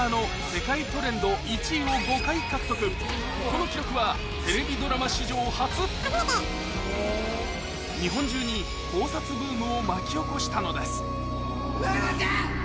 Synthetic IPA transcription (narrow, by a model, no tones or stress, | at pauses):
ano̞ | se̞kait̪o̞ɾẽ̞nd̪o̞it͡ɕio̞ɡo̞kaikakɯ̟̥o̞kɯ̟ | ko̞no̞kʲiɾokɯ̟βa | t̪e̞ɾe̞bʲid̪o̞ɾamaɕiʑo̞ːhat͡sɨt̪ːema | ɲ̟iɦõ̞ɲ̟d͡ʑɨːɲ̟i | kʰo̞ːsat͡sɨbɯ̟ːmɯ̟̃omakʲio̞ko̞ɕi̥t̪ano̞d̪e̞sɨ̥